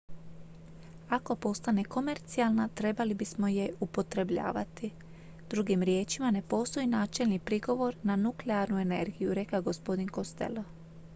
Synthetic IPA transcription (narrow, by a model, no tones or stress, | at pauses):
ako̞po̞st̪ane̞ko̞me̞ɾt̪sialˠnat̪ɾe̞balibismo̞je̞upo̞t̪ɾe̞bʎa̰ːʋa̰t̪i | d̪ɾuɡimɾje̞ːt͡ʃimane̞po̞ːst̪o̞jinaːt͡ʃe̞lnipɾiɡo̞ʋo̞ɾnanukleaɾnue̞ne̞̰ɾɡijuɾe̞kaɡo̞spo̞d̪inko̞st̪e̞̰lo